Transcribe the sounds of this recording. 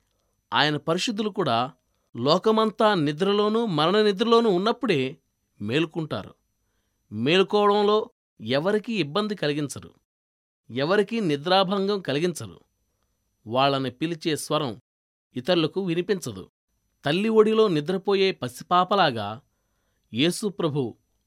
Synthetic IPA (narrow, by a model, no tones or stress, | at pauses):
a̰ːjɐnɐpɐɾiʂud̪ːulukuːɽaː | lɔːkɐmɐnt̪aːnid̪ɾɐlo̞ːnumɐnɐnɐnid̪ɾɐlo̞ːnuːnːɐpːuɽe̞ː | me̞ːlukuɳʈa̰ːɾṵ | me̞ːlukɔːʋɐɽɐmlo̞ː | ɛʋɐɾikiːbːɐnd̪ikɐliɡint͡ʃɐɾṵ | ɛʋɐɾikinid̪ɾaːbʱɐŋɡɐmkɐliɡint͡ʃɐɾṵ | ʋaːɭːɐnupilit͡ʃe̞ːsʋɐɾɐm | it̪ɐɾulɐkuʋinipint͡ʃɐd̪ṵ | t̪ɐlːiʋoɽilo̞ːnid̪ɾɐpo̞ːjeːpɐsi̥paːpɐlaːɡa̰ː | je̞ːsupɾɐbʱu